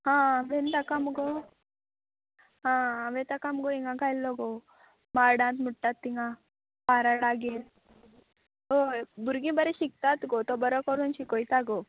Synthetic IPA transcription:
ɦãaʋẽnt̪akamɡo | ɦãaʋẽt̪akamɔɡoiŋɡãɡʱajlːɔɡo | maɾɽãnt̪muʈːat̪ːiŋɡa | paɾaɽaɡel | obuɾɡĩbəɾɛɕik̚t̪at̪ɡot̪ɔbəɾɔkɔɾunɕikɔjt̪aɡo

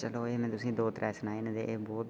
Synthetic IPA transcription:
t͡ʃəloːeːmɛ̃ːt̪ʊsĩːd̪oːt̪ɾɛːsnaːiñːd̪ḛːʔeːbɔːt̪̚

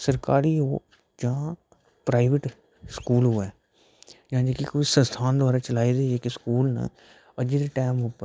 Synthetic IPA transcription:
səɾkaːɾiːɦoː | d͡ʒãː | pɾaːɪʋɪʈ | skuːlɦʊɛː | d͡ʒãːd͡ʒeːkikoisə̃st̪ʰaːnd̪ʊʋaːɾaːt͡ʃəlaːid̪eːd͡ʒeːkiskuːlnə̰ | əd͡ʒid̪eːʈɛːmʊpə

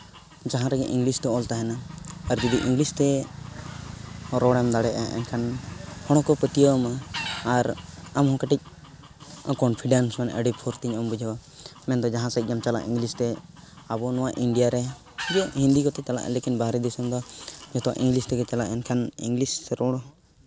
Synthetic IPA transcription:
d͡ʒaɦãɾɛɡɛ̰ʔĩŋɡlist̪ɔɔlt̪aɦɛnaːɾd͡ʒid̪iʔiŋɡlist̪ɛ | ɾɔɽɛmd̪aɽɛʔaʔɛ̰nkʰanhɔɽ̃ɔ̃kɔpət̪ijɔmaaɾamhɔ̃kaʈic̚ | kɔnpʰiɖansmana̰ʔəɖipʰɔɾt̪iɲɔmbud͡ʒʱawamɛnd̪ɔd͡ʒaɦãsac̚ˀd͡ʒamt͡ʃala̰ʔḭ̃ŋɡlist̪ɛ | abɔnɔ̃waʔiɳɖijaɾɛ | d͡ʒɔʔhĩnd̪ikɔt̪ɛt͡ʃala̰ʔɛ̰lekinbaɦɾɛd̪isumd̪ɔd͡ʒɔt̪ɔwa̰ʔĩŋɡlist̪ɛɡɛt͡ʃalaʔɛnkʰanḭŋɡlist̪ɛɾɔɽ̃ɔ

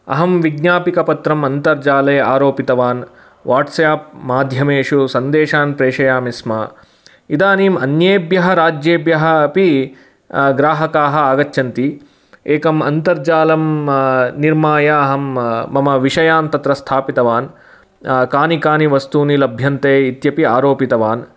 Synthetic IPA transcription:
ɐ̰ɦɐmʋiɡnaːpikɐpɐt̪ɾɐmɐnt̪ɐɾd͡ʒaːlɐːaːɾoːpit̪ɐʋaːn | ʋaːʈsɐjaːpmaːd̪ʱjɐmeːʂusɐnd̪eːʃaːnpɾeːʂɐjaːmisma | id̪aːniːmɐnjeːbjɐɦɐɾaːd͡ʒjeːbjɐɦɐ̆pi | ɡɾaːɦɐkaːɦɐ̆aːɡɐtːʃʰɐnt̪i | eːkɐmɐnt̪ɐɾd͡ʒaːlɐm | niɾmaːjaɐɦɐmːɐmɐʋiʂɐjaːnt̪ɐt̪ɾɐst̪ʰaːpit̪ɐʋaːn | kaːnikaːniʋɐst̪uːnilɐbʱjɐnt̪eːit̪jɐpiaːɾoːpit̪ɐʋaːn

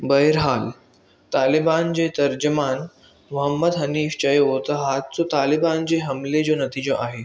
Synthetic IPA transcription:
bəjɾɦal | t̪aliband͡ʑet̪əɾd͡ʑəman | ʋəɦəmːəd̪ɦəniːft͡ɕəeɦot̪əɦat̪t͡sot̪aliband͡ʑeɦəmled͡ʑonət̪iːd͡ʑə̃ʔaɦe

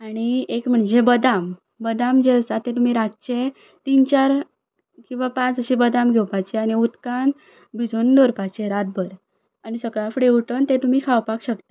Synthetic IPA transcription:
aɽ̃iekm̤əɳd͡ʑebəd̪am | bəd̪amd͡ʑesat̪ẽt̪̬um̤iɾatt͡ɕe | t̪int͡ɕaɾ | kĩw̃ʋapãt͡səɕibəd̪amɡʱewpajt͡ɕeaɽ̃iut̪kan | bʱid͡zʱond̪oɾpat͡ɕeɾat̪̚bʱəɾ | aɽ̃isəɡɭafɽeuʈənt̪et̪um̤ikʰawpakɕək̚t̪ḁ

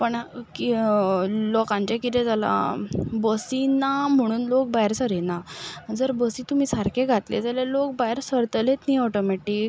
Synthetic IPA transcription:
pəɳki | lɔkãɲt͡ɕekit̪ɛ̃d͡zʱala̰bəsinam̤əɽ̃uːnlok̚baɾsəɾɛnad͡zəɾbəsit̪um̤iːsaɾkʰẽɡʱat̪lḛd͡zaljalok̚bajɾsəɾt̪let̪niɔʈɔmeʈik

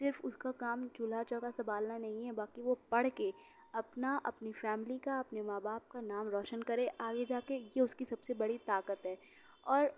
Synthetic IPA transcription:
sɪɾfʊskakaːmt͡ʃʊlat͡ʃɔ̃kasɐmbaːlnanɐɦĩɦɛbaːkiʋopɐɽ̤ke | ɐpnaʔɐpnifɛːmɪlikaɐpnemaːbaːp̚kanaːmɾɔːʃənkɐɾẽʔaːɡed͡ʒaːkejeʊskisɐbsebɐɽit̪aːkət̪ɦɛː | ɔːɾ

